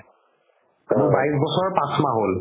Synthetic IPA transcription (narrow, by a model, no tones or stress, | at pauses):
amubaisbɔsɔɹpãsmaɦol